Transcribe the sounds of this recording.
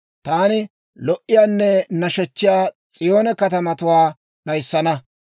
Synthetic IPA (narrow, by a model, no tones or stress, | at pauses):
t̪aːnɪ | lɔʔɪjaːnːɛnɐʃɛt͡ʃːɪjaː | t͡sʼɪjo̞ːnɛkɐt̪ɐmɐt̪ʊwaː | nɐjsːɐnɐ